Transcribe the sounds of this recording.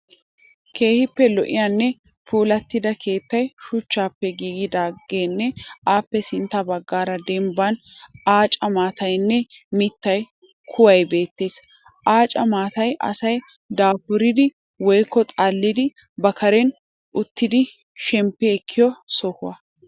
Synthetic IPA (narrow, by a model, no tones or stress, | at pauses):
ke̞ːhɪpːɛlɔʔɪ̰janːɛ | fuːlɐt̪ːɪd̪ɐkʰe̞ːt̪ːɐjʃʊt͡ʃːaːpːɛɡiːɡɪd̪aːɡe̞ːnːɛaːpːɛsɪnt̪ːɐbɐɡːaːɾɐd̪ɛmbɐnaːt͡ʃʼɐmaːt̪ɐjnːɛmɪt̪ːɐj | kʰʊwɐjbe̞ːt̪ːe̞ːs | ʔaːt͡ʃʼɐmaːt̪ɐjʔɐ̰sɐj | d̪aːfʊɾɪd̪ɪ | wɔjkːɔt̪ʼaːlːɪd̪ɪ | bɐkʰɐɾɛn | ʔʊt̪ːɪd̪ɪ | ʃɛmpːɛɛkʰːɪjɔsɔhʊɐ